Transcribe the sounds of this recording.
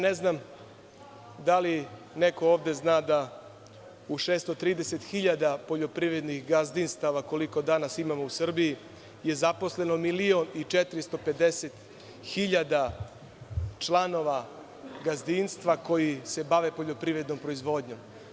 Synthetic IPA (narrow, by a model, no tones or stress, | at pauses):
neznam | d̪ali | neko̞oːʋd̪e̞znaːd̪a | uʃeːst̪ot̪ɾiːd̪eset̪xiʎad̪apo̞ʎo̞pɾiʋɾe̞d̪nixɡazd̪inst̪aʋako̞liko̞d̪anasimamo̞usr̩biji | je̞zapo̞sle̞no̞milio̞nit͡ʃet̪ɾist̪o̞pe̞d̪eset̪ | xiʎad̪a | t͡ʃlˠano̞ʋa | ɡazd̪inst̪ʋako̞jise̞baʋe̞po̞ʎo̞pɾivɾe̞d̪no̞mpɾo̞izʋo̞d̪ɲo̞m